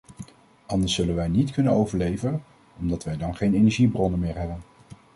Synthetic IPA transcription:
ʔɑndəɹsːɵlənʋɛjnitkɵnənowvəɹlejvən | ɔmdɑtʋɛjdɑnχejnejnɛɹʒibrɔnənmɪːɹɦɛbən

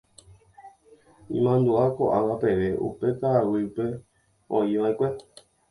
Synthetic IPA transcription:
ḭ̃mãnd̪uakoʔaʋapeʋeʔṵpekaawɨupe | õ̰jãĩkʷe

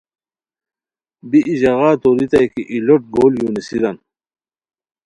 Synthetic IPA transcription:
biʔiʑɐɣaːt̪oɾit̪ɐjkiʔiloʈ̚ɡoːljuːnisid̪ɐn

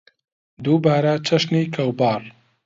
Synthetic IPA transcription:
d̪uːbaːɾɐt͡ʃʰɐʃniːkʰɐwbɑːr

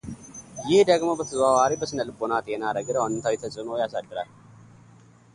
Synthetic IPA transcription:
jɪhd̪əɡmobət̪ʰəzawaɾibəsɨnəlɨbonat̪ʼenaɾəɡɨɾwanɨt̪ʰawit̪ʰət͡ʃʼɨmojasad̪ːɨɾa̰l

